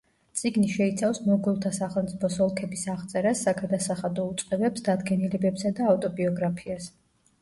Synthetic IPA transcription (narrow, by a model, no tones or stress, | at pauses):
t̪sʼiɡniʃɛit̪sʰafsmɔɡɔlˠt̪ʰasaχɛlˠmt̪ʼipʰɔsɔlˠkʰɛbisaʁt̪sʼɛɾasːaɡad̪asaχad̪ɔut̪sʼqʼɛbɛpsd̪ad̪ɡɛnilɛbɛpsad̪aːft̪ʼɔbiɔɡɾapʰias